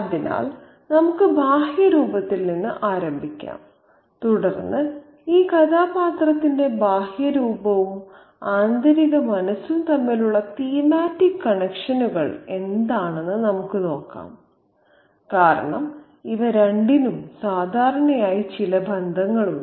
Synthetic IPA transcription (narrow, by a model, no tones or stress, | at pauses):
ɐðina̰ːl | nɐmukːɨbʱaːhjɐɾuːbɐt̪ːilninːɨʔaːɾɐmbʱikʲːa̰ːm | t̪uɽɐrnːɨ | iːkɐt̪ʰaːpaːt̪rɐt̪ːinde̞bʱaːhjɐɾuːbɐʋum | aːnd̪ɐɾiɣɐmɐnɐsːumt̪ɐmːiluɭːɐt̪ijɐmaːtːikːɐɳekʂɐnuɣɐɭe̞nd̪aːɳe̞nːɨnɐmukːɨno̞ːkːa̰ːm | kaːɾɐ̰ɳɐ̰m | iʋɐɾeɳɖinumsaːd̪ʱaːɾɐɳɐjaːjit͡ɕilɐbʱɐnd̪ʱɐŋːɐɭu